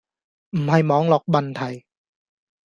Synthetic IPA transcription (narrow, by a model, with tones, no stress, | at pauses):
m̩˨˩ha˧˩jmɔː˨˥ŋlɔ˨˩k̚ba˧nt̪ʰa˧˩j